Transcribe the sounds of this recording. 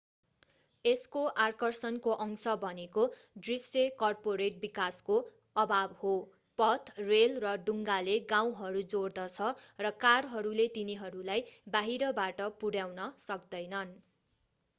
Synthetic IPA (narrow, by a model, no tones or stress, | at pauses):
eskoʔarkʌrsʌnkoʔʌŋsʌbʱʌneko | drisekʌrpoɾeʈ̚bikasko | ʌbʱabho | pʌt̪ʰrelrʌɖuŋɡaleɡaw̃ɦʌɾud͡zord̪ʌt͡sʰʌrʌkarɦʌɾulet̪iniɦʌɾulajbaɦiɾʌbaʈʌpuɽjawnʌsʌk̚d̪ʌjnʌn